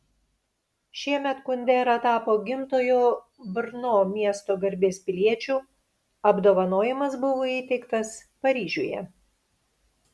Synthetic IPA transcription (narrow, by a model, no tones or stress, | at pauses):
ʃʲiɛmʲɛt̪kʊnʲd̪ʲɛːɾɐt̪ɑːpoːɡʲɪmt̪oːjoː | bʲɾnoːmʲiɛst̪oːɡɐɾʲbʲeːspʲɪlʲiɛt͡ʃʲuː | ɐbd̪oːʋɐnoːjɪmɐsbʊʋoːiːt̪ʲɛɪkt̪ɐspɐɾʲiːʒʲṵjɛ̰